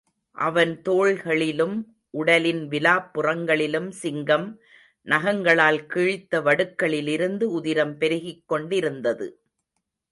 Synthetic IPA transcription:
ʔɐʋɐnt̪oːɭɣɐɭɪlɯm | ʔʊɽɐlɪnʋɪlaːpːɯrɐŋɡɐɭɪlɯmsɪŋɡɐm | nɐɣɐŋɡɐɭaːlkɪɻɪt̪ːɐʋɐɽɯkːɐɭɪlɪɾɯnd̪ɯʊðɪɾɐmpɛɾɪɣɪkːɔɳɖɪɾɯnd̪ɐðɯ̰

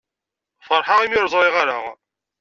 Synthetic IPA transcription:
fəɾˤħaʁimjoɾˤðˤoiʁaɾa

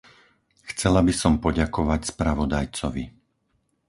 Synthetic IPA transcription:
xt͡sɛlabisɔmpɔɟakɔʋacspɾaʋɔd̪ajt͡sɔʋi

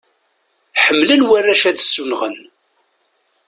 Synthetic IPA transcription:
ħəmːlənwærːæʃæðsːunʁən

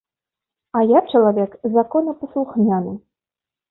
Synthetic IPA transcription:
ajak̚t͡ʂɐlˠavʲɛkzakɔnɐpɐslˠuxmʲanɨ

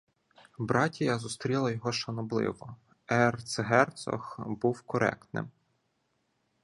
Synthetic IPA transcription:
bɾɑtʲijɑzust̪ɾʲilˠɐjɔɦɔʃɐnɔblˠɪ̰ʋɔ | ɛrt̪sɦɛrt̪sɔ̰xbuwkɔɾɛ̰kt̪nɪ̰m

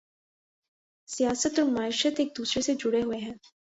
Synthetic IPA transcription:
sijaːsət̪ɔːɾmaːɪʃət̪eːk̚d̪uːsɾesed͡ʒʊɽeɦʊeɦɛ̃ː

